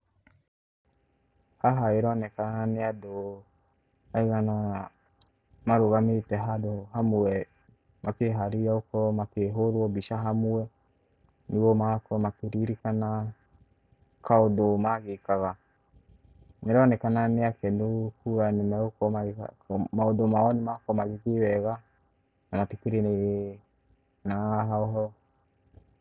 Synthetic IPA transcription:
haɦaeɾɔnɛkananeado | aiɣanɔa | maɾoɣametɛɦadoɦamuɛ | mʔakeɦaɾiaokɔmakeɦoɾwɔbiʃaɦamuɛ | niɣomakɔmakeɾiɾikana | kʰaodomaɣekaɣa | neɾɔnɛkananeakɛnokuɣanemɛokɔmaɣa̰maodomaɔnemakɔmaɣeɣewɛɣa | namatekeɾeneɣe | naɦaɔɦɔ

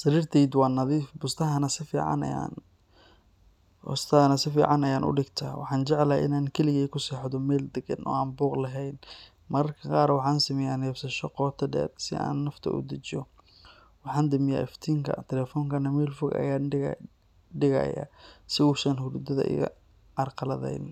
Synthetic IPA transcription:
sɐɾiːrt̪ʰɛjd̪wɑːnɐðiːfbʊst̪ʰɐɦɐnɐsɪfḭːʕɑ̰n̰ja̰n | bʊ̰st̪ʰɐɐnɐsɪfḭːʕɑnɐjaːnʔʊ̰ɖɪɡt̪ʰa̰ːwɑ̰ħɑːnt͡ʃɛʕɛlɐʔɪ̰naːnkʰɛlɪɣɛːkʰʊsɛːħd̪ɔmɛːld̪ɛɡɐnʔɔ̰ːaːnbuːqlɐɦɛjn | mɐɾɐrkʰɐqɑːɾwɑħɑːnsɪmɛjaːnɛːbsɐʃɔqɔːt̪ʰɐdɛ̰ːrsɪ̰ʔa̰ːnːɐft̪ʰɐ̰ʔʊ̰d̪ɐt͡ʃɔ | wɑħɑːnd̪ɪmɪja̰ːʔɪft̪ʰiːŋkʰɐ̰t̪ʰɛlɛːfɔːŋkʰɐnɐmɛːlfʊɡɐ̰jaː | ɖɪɣɐ̰ja̰sɪuːsɐnhʊɾud̪ɐðɐ̰ʔɪ̰ɣɐ̰ | ɑrqɑlɐðɛ̰jn

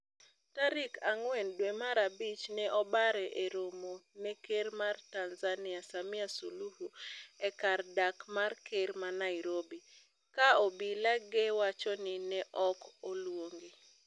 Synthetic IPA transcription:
taɾɪkaŋwɛndwɛmaɾabit͡ʃnɛʔɔbaɾɛʔeɾomonekeɾmartanzanɪasamiasuluhuɛkardakmarkeɾmanaɪɾobi | kaɔbilaɡewat͡ʃɔnɪnɛʔɔkɔlwoŋɡe

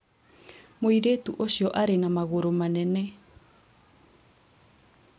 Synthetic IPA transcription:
moiɾetuʔoɕiɔʔaɾenamaɣoɾomanɛnɛ

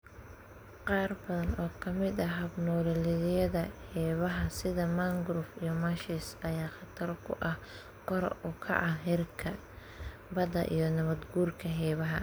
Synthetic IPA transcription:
qɑːrbɐðɐnʔɔːkʰɐmɪd̪ɐɦɐbnɔːlɪlɪðɪjɐðɐhɛːβɐɦɐsɪðɐmaŋɡɾʊfijɞmɐʃisɐjaːχɑt̪ʰɐrkʰʊ̰ʔɐh | qɔɾʊkʰɐ̰ʕɑɦɛrkʰɐ | bɐd̪ɐ̰ʔḭjɞnɐβɐd̪ɡuːrkʰɐɦɛːβɐɦɐ̰

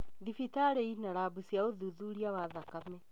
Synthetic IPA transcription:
ðifitaɾɛinaɾabusjaoðuðuɾiawaðakamɛ

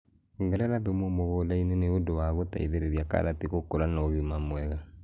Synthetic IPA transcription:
ŋɡɛɾɛɾaðomomoɣolaineneodowaɣota̰iðeɾeɾiaka̰ɾatiɣokoɾanɔɣimamwɛɣa

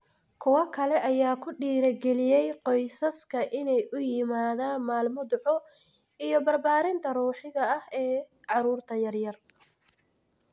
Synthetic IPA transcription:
kʰʊwɐkʰɐlɛʔɐjaːkʰʊɖiːɾɐɡɛlɪjɛjqɔjsɐskʰɐʔɪnɛjʔʊjɪmaːðaːnmaːlmɔd̪ʊħɔ | ijɔbɐrbaːɾɪnt̪ʰɐruːħɪɣɐɐhɛː | ʕɑɾuːrt̪ʰɐjɐrjɐr

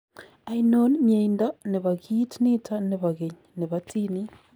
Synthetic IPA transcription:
ainonmjeindaneβaɣiːtniːtʰaneβaɣeɲineβatʰini

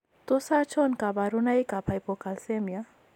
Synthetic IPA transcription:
t̪osat͡ʃʰɔnkabaɾunajkapʰajpokalsemja

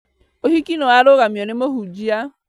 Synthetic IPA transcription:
oɦikinoaɾoɣamionemoɦud͡ʒia

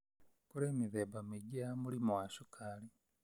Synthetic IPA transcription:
kuɾeːmiðebamiɟamulimuwaʃukʰaːli

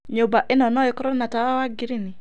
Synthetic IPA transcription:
ɲobaʔɪnɔnɔikɔɾɔnatawawaɡɪɾini

